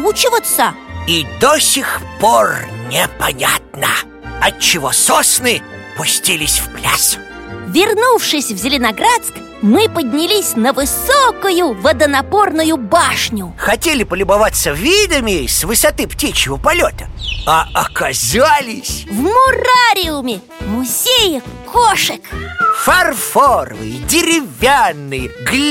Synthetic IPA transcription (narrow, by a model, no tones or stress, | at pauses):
ut͡ɕɪvət̪səid̪osʲɪxpornʲɪpɐnʲa̰t̪̚nə | ɐt̚t͡ɕːɪvososnɨ | pʊsʲtʲilʲɪsʲfplʲas | vʲɪrnufʂɨsʲvzʲɪlʲɪnɐɡɾat̪sk | mɨpədʲnʲɪlʲisʲnəvɨsokʊjʊvəd̪ənɐpornʊjʊbaʂnʲʊxɐtʲelʲɪpəlʲʊbɐvat̪səvʲid̪əmʲɪsʲvɨsɐt̪ɨptʲit͡ɕjɪvəpɐlʲot̪ə̥aɐkɐzalʲɪsʲvmʊraɾʲɪʊmʲɪ | mʊzʲejəkoʂɨkfɐrforə̰vɨ̰jdʲɪɾʲɪvʲanːɨjɡlʲ